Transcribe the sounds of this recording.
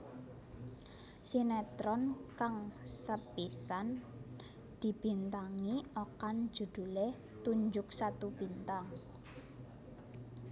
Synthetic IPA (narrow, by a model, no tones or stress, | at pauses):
sinɛt̪ɾɔnkaŋsəpisan | d̪̥i̤b̥i̤nt̪aŋiokan̥d͡ʒ̥ṳd̪̥ṳleh | t̪uɲd͡ʒʊk̚sat̪ub̥i̤nt̪aŋ